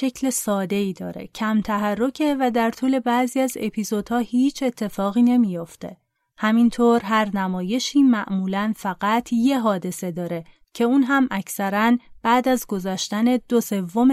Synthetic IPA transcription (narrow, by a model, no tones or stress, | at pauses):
ʃe̞cʰle̞sɒːd̪e̞iːd̪ɒ̰ːɾe̞̰cʰæmt̪ʰæɦærːo̞cʰe̞væd̪æɾt̪ʰuːle̞bæziːæze̞pʰizo̞d̪̥hɒːhiːt͡ʃʰe̞t̪ʰːe̞fɒːɣiːne̞mijo̞ft̪e̞̰ | hæmint̪ʰoːɾɦæɾnæmɒːje̞ʃiːmæʔmuːlænfæɣ̥æt̪ʰje̞ɦɒːd̪e̞se̞d̪ɒːɾe̞ | cʰe̞uːnɦæmʔæcʰsæɾænb̥æːd̪æzɡo̞zɒːʃt̪æne̞d̪̥o̞se̞vːo̞m